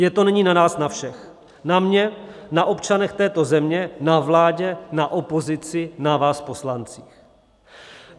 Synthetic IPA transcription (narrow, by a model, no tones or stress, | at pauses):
jɛt̪o̞nɛɲiːnanaːsnafʃɛx | namɲɛ | naʔo̞pt͡ʃanɛxt̪ɛːt̪o̞zɛmɲɛnavlaːɟɛnaʔo̞po̞zɪt͡sɪnavaːspo̞slant͡siːx